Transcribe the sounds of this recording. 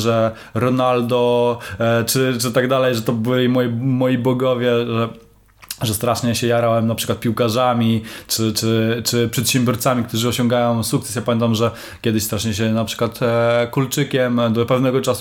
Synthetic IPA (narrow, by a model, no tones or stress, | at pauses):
ʐɛ | ɾɔnald̪ɔ | t͡ʂɘt͡ʂɘt̪aɡd̪alɛjʐɛt̪ɔbɘlʲimɔjimɔjibɔɡɔvʲjɛʐɛ | ʐɛst̪ɾaʂɲɛɕɛjaɾawɛmnapʂɘkwat̪pʲiwkaʐamʲit͡ʂɘt͡ʂɘt͡ʂɘpʂɛt̪ɕɛmbʲjɔɾt̪samʲikt̪uʐɨɔɕɔŋɡajɔ̃w̃sukt̪sɛ̥sjapamʲɛnt̪amʐɛ | kʲɛd̪ɪɕst̪ɾaʂɲɛɕɛnapʂɘ̥kwat̪kult͡ʂɘkʲɛmd̪ɔpɛvnɛɡɔt͡ʂasu̥